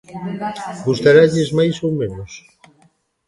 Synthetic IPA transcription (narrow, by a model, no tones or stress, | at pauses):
ɡust̪aɾaʎɪzmajsowmẽnʊs